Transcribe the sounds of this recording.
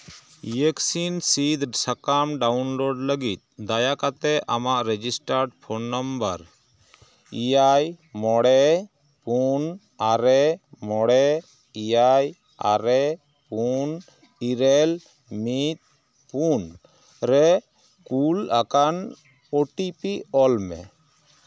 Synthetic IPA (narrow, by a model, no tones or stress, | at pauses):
jəksinsid̪sakamɖawnloɖləɡit̪̚ˀd̪ajakat̪ɛʔamaʔɾɛd͡ʒisʈaɾɖpʰonːambəɾ | ijaj | mɔɽɛ | pun | aɾɛmɔɽɛ | iaj | a̰ɾɛ | pun | iɾɛl | mit̪̚ | pun | ɾɛ | kulakan | oʈipiɔlmɛ̰